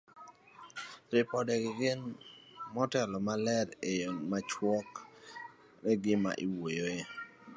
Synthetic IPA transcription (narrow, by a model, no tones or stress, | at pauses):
ɾɪpɔdɛɡɪɡɪnmɔtɛlɔmalɛɾejomat͡ʃwɔk | ɾɛɡɪma̰ʔiwojoje